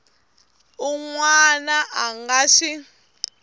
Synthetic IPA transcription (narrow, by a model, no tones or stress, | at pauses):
uŋwanaʔaŋɡaʂi